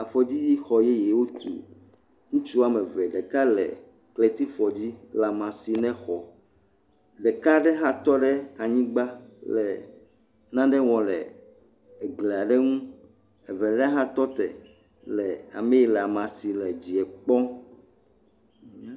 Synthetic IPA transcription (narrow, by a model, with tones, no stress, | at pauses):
a˨fɔ˨d͡ʑi˦ji˦xɔ˨jɛ˦jɛ˨wo˦t̪ṵ˨ | ŋũ˦t͡ʃu˦a˨mɛ̃˨vɛ˨ɖɛ˨ka˦lɛ̰˨ | kle˨t̪i˦fɔ˨d͡ʑi˦la˨mã˨si˨nɛ̃˦xɔ˨ | ɖɛ˨ka˦ɖɛ˦ɦã˦t̪ɔ˦ɖɛ˦a˨ɲĩ˦ɡ͡ba˦lɛ˨ | nã˦ɖɛ˦w̃ɔ̃˨lɛ̰˨ | ɛ˨ɡlɛ˨a˨ɖɛ˦ŋũ˦ | ɛ˨vɛ˨lɛ˦ɦã˦t̪ɔ˦t̪ɛ̰˨ | lɛ˨a̰˨me˦ji˨la˨mã˨si˨lɛ˨d͡ʑi˨ɛ˨k͡pɔ̃˦